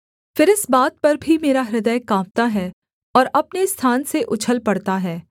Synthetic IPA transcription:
fɪɾɪsbaːt̪̚pɐɾbʱimeːɾaɾɪd̪əjkãːp̚t̪aɦɛː | ɔːɾɐpnest̪ʰaːnseʔʊt͡ʃʰəlpɐɽt̪aɦɛː

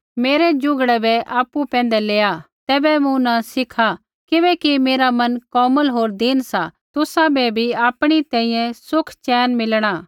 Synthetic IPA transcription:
meːɾɛd͡ʒʊ̃ɡɽɛbɛʔaːpupɛ̃ːn̆d̪ɛleːa | t̪ɛːbɛmũnasɪkʰa | kɪʋɛkimeːɾamɐnkɔːməlɦoːɾd̪ɪnsat̪ʊsãbɛbʱiaːpɽ̃it̪ɛ̃ːĩjɛ̃sʊkʰt͡ʃɛːnmɪlɽ̃aː

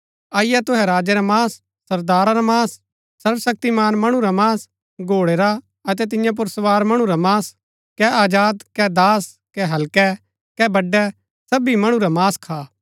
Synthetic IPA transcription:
aːɪjɛt̪ʊɦɛɾaːd͡ʒɛɾamaːsː | ɐɾd̪aːɾaɾamaːs | sɐɾʋsɐk̚t̪imaːnmɐɽ̃ũɾamaːs | ɡʱoːɽeːɾa | ɐt̪̬ɛt̪̬ɪ̃jãp̬ʊɾsɐʋaːɾmɐɽ̃uɾamaːs | kɛʔaːd͡ʒaːd̪kɛd̪aːs | kɛɦɐlkɛ | kɛbɐɖːɛ | sɐbimɐɽ̃ũɾamaːskʰaː

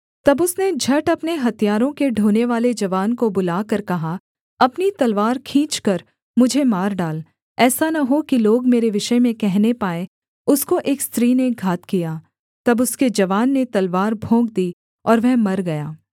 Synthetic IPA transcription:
t̪ɐbʊsned͡ʒʱɐʈɐpneɦɐt̪ijaːɾõkeɖʱoːneʋaːled͡ʒɐʋaːnkobʊlaːkɐɾkɐɦa | ɐpnit̪ɐlʋaːɾkʰĩːt͡ʃkɐɾ | mʊd͡ʒʱemaːɾɖaːl | ɛːsanɐɦokiloːɡmeːɾeʋɪʃəmẽkɛɦnepaːẽ | ʊskoʔeːkst̪ɾiːneɡʱaːt̪kijaː | t̪ɐbʊsked͡ʒɐʋaːnːet̪ɐlʋaːɾbʱõːɡd̪iː | ɔːɾʋɛɦmɐɾɡɐjaː

